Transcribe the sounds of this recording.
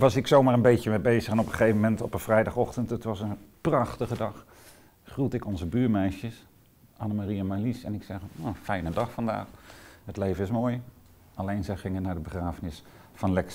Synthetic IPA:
ʋɑsɪksowmaːɹənbejcəmɛbejzəχɛnɔpχəχejvəmɛntɔpəv̥rɛjdɑχɔχtəntətʋɑsənprɑχtəχədɑχ | χrutɪkɔnzəbyːɹmɛjʃəs | ʔɑnamariamalisɛnɪksɛχofɛjnədɑχfɑnda̰ːχɦətlejvənɪsmoːj | ɑlejnzɛjχɪŋənːaːɹdəbəχraːvənɪs | fɑnlɛks

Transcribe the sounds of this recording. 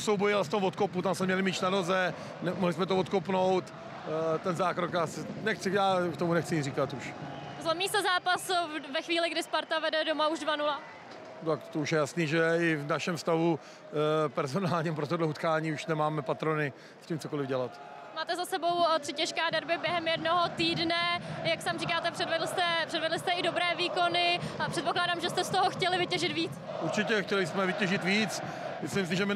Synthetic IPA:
sowbojɪlst̪omvot̪koput̪amsmɛmɲɛlɪmiːʃnano̞zɛ | nɛmoɦlɪsmɛt̪ovot̪kopnowt̪ | t̪ɛnzaːkɾokasɪnɛxt͡sɪjaːkt̪omunɛxt͡sɪriːkat̪uʃ | zlomiːsɛzaːpasvɛxviːlɪɡdɪspaɾt̪avɛdɛdomauʒdvanula | t̪akt̪ouʃjɛjasniːʒɛɪvnaʃɛmfst̪avu | pɛɾzonaːlɲɛmpɾot̪̬odlɛut̪kaːɲiːuʃnɛmaːmɛpat̪ɾonɪ | imt͡sokolɪvɟɛlat̪ | maːt̪ɛzasɛbo̞wt̪r̥ɪcɛʃkɛːdɛɾbɪbjɛɦɛmjɛdnoɦot̪iːdnɛjaksaːmrikaːt̪ɛpr̥ɛdvɛdlst̪ɛpr̥ɛdvɛdlɪst̪ɛɪdo̞bɾɛːviːko̞nɪpr̥ɛt̪po̞klaːdaːmʒɛst̪ɛst̪oɦoxcɛlɪvɪcɛʒɪt̪viːt͡s | ʔuɾt͡ʃɪcɛxcɛlɪsmɛvɪcɛʒɪt̪viːt͡s | mɪslimsɪʒɛmɪ

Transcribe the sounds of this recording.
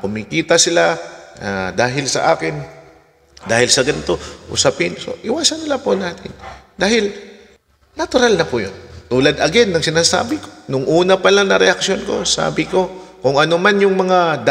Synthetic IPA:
kʊmikiːt̪ɐsɪlaad̪aːɦɪlsɐ̰ʔaːkɪn | d̪aːhɪlsɐɡɐnɪt̪o̞ʔʊ̰sapɪnso̞̰ʔɪwaːsɐnːɪlapʊnaːt̪ɪnd̪aːhɪl | nɐt̪ʊɾalnɐpʊjo̰nt̪uːlɐd̪ɐɡɛd̪nɐŋsɪnaːsa̰ːbɪko̥nʊŋʔuːnɐpɐlaŋnɐɾɛʔɐksjonko̞̰sa̰ːbɪko̞kʊŋɐnomanjʊŋmɐŋad̪

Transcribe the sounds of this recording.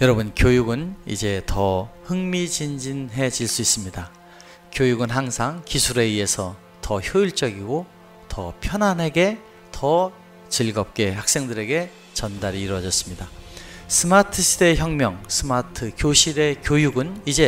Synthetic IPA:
jʌɾʌbɯnkjojuɡɯnḭd͡ʑe̞tʌhɯŋmit͡ɕind͡ʑinɦe̞d͡ʑiɭs͈uis͈ɯmɲida | kjojuɡɯnɦaŋsʰaŋkisʰuɾe̞ie̞sʰʌ | tʌçjɯiɭt͡ɕ͈ʌɡiɡo | tʰʌ̰pʰjʌnɦanɦe̞ɡe̞ | tʰʌ | t͡ɕiɭɡʌp̚k͈e̞hak̚s͈e̞ŋdɯɾe̞ɡe̞ | t͡ɕʌndaɾiːɾwʌd͡ʑʌs͈ɯ̥mɲidasʰɯmatʰɯɕʰide̞çjʌŋmjʌŋsʰɯmatʰɯkjoɕʰiɾe̞kjojuɡɯnid͡ʑe̞

